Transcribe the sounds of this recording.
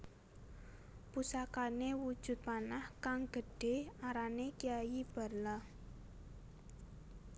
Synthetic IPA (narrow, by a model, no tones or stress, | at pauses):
pusakanewud̥ʒ̥ʊ̤t̪̚panahkaŋɡ̥ə̤ɖ̥e̤aɾanekijajib̥a̤rla